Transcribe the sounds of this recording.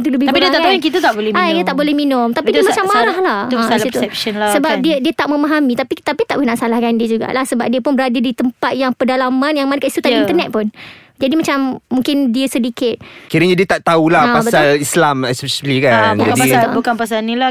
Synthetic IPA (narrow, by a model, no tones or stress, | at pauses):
t̪uləbɪh̪apidiəaaujaŋkit̪at̪aʔbolɛhãkit̪at̪aʔbolɛhminʊmt̪apid̪imat͡ʃamːaɾahlahə̃sailsit̪uɛp̚ʃənlasəbap̚diədiət̪aʔ̚mə̃maɦamĩt̪apit̪apit̪aʔbnãʔsalahkandiəd͡ʒuɡa̰ʔlahsəbap̚diəpʊnbəɾadədit̪əmpat̪̚jaŋpədalamãnjaŋmãnəkaʔist̪ut̪ainərnɛt̪̚pʊn | d͡ʒadimat͡ʃamːũŋkɪndiəsədikɪt̪̚kiɾəɲadiət̪aʔt̪aulahpasbəalislamɛspsilikad͡ʒakadiabukanpas̬alnĩla